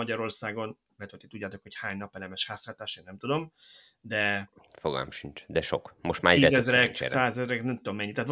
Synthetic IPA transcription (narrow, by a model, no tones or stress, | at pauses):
ɒɟɒɾo̞rsaːɡo̞n | vɛt̪øi̥t̪uɟːaːt̪o̞kho̞chaːɲnɒpɛlɛmɛʃhaːslaːt̪aːʃeːnnɛmt̪ud̪o̞m | d̪ɛ | foɡɒ̰lɔ̰mʃint͡ʃd̪ɛʃo̰kmoʃt̪maːɾɛiɛzɛzɾɛksaːzɛzɾɛknɛmt̪ud̪o̞mːɛɲːit̪aːt̪